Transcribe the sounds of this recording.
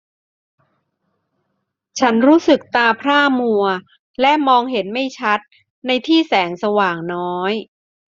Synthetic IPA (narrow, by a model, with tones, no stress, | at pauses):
t͡ɕʰa˦˥nɾuː˦˥sɯ˨˩k̚t̪aː˧pʰɾaː˥˩mu˧ɐ | lɛ˦˥ʔmɔː˧ŋɦe˩˦nma˥˩jt͡ɕʰa˦˥t̪̚ | na˧jt̪ʰiː˥˩sɛː˩˦ŋsa˧waː˨˩ŋnɔː˦˥j